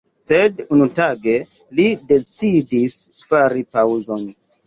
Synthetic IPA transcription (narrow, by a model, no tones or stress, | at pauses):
sedunutaɡe̞ | lide̞t͡sidis | faɾipawzo̞n